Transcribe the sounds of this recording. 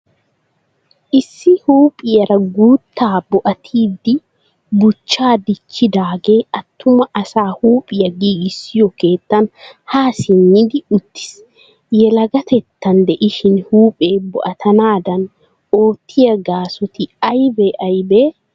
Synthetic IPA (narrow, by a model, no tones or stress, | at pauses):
ʔɪsːɪhuːpʼɪjɐɾɐɡuːt̪ʰːaːbʊʔɐt̪ʰiːd̪ɪ | bʊt͡ʃːaːd̪ɪt͡ʃːɪd̪aːɡeːʔɐt̪ʰːʊmɐʔɐsaːhuːpʼɪjɐɡiːɡɪsɪjɔke̞ːt̪ːɐnhaːsɪnːɪd̪ɪʊt̪ːɪ̥s | jɛlɐɡɐt̪ɛt̪ːɐnd̪ɛʔɪʃɪnhuːpʼeːbɔʔɐt̪ʰɐnaːd̪ɐn | oːt̪ʰːɪjɐɡaːsɔt̪ɪɐjbɛʔɐjbeː